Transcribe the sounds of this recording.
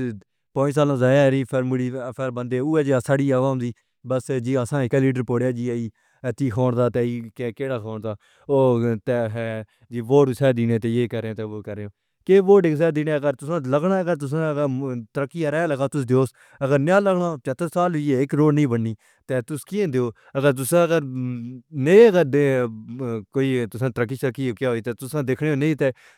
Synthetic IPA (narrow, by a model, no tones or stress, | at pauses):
pɔ̃ːsaːlãːzaːjaːɾiːpʰɪɾmʊɽiːpʰeɾbənd̪eːuːɛːd͡ʒaːsaːɽiːaːʋaːmd̪iː | bəsd͡ʒiːəsãːɪkːliːɖəɾpoːɽjaːd͡ʒiːəiː | ət̪ːiːkʰoːɳd̪aːt̪eːiːkːkeːɽaːkʰɔːɳd̪aː | oːt̪ɛːɦɛː | d͡ʒiːʋoːʈsɛːd̪iːneːt̪eːjeːkəɾẽːt̪eːoːkəɾeːõː | keːʋoːʈɪks̬ɛːd̪iːneːəɡəɾt̪ʊsãːləɡɳaːəɡəɾt̪̬ʊs̬ãːɡət̪əɾəkːiːəɾɛːləɡaːt̪ʊs̬d̪eoːs | əɡəɾnaːləɡɳaːt͡ʃət̪ːəsaːlʊieːɪkɾoːɽnĩːbənːiː | t̪ɛːt̪ʊskiẽːd̪eoː | əɡəɾt̪ʊsãːəɡəɾ | nẽəɡəɾd̪e | koːiːt̪ʊsãːt̪əɾəkːiːsəkːiːokaːɦoːiːt̪eːt̪ʊsãːd̪ekʰɽeːoːneĩːt̪ɛː